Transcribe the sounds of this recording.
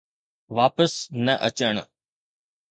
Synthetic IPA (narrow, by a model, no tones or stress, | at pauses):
ʋaːpəsnəʔət͡ɕəɽ̃